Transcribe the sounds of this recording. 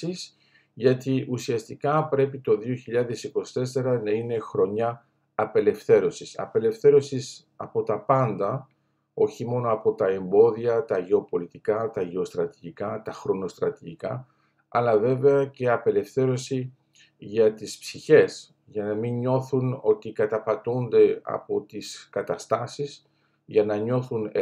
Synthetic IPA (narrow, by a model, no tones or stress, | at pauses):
iz | ʝɐt̪iʔusiɐst̪ikɐpɾe̞pit̪o̞ðio̞çiʎɐðe̞siko̞si̥t̪e̞se̞ɾɐnɐine̞xɾo̞ɲɐː | pe̞le̞fθe̞ɾo̞sisɐ̰pe̞le̞fθe̞ɾo̞sis | ɐ̰po̞t̪ɐpɐnd̪ɐ | o̞çimo̞no̞ɐpo̞t̪ɐe̞mbo̞ðiɐt̪ɐʝe̞o̞po̞lit̪ikɐt̪ɐʝe̞o̞st̪ɾɐt̪iʝikɐt̪ɐxɾo̞no̞st̪ɾɐt̪iʝikɐ | ɐlɐve̞ve̞ɐce̞ɐpe̞le̞fθe̞ɾo̞si | ʝɐt̪ispsiçe̞s | ʝɐnɐmiɲɲo̞θuno̞t̪ikɐt̪ɐpɐt̪und̪e̞ɐ̰po̞t̪iskɐt̪ɐst̪ɐsis | ʝɐnɐɲo̞θun